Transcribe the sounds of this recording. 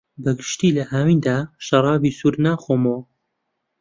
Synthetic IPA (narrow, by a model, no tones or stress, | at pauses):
bɐɡɨʃt̪iːlɐhaːmiːnd̪aːʃɐɾˤɑːbiːsuɾnaːxoːmo